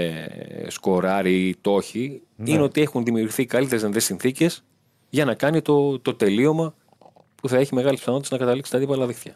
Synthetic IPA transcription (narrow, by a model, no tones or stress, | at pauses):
sko̞ɾɐɾit̪o̞çi | inneot̪ie̞xunðimiuɾɣiθikɐlit̪eezðenðesinθice̞s | ʝɐnɐkɐnit̪o̞t̪o̞t̪e̞lio̞mɐ | puθɐe̞çime̞ɣɐlispθɐnot̪t̪ːznɐkɐt̪ɐliksi̥t̪ɐt̪ipɐlɐðekt̪çɐ̰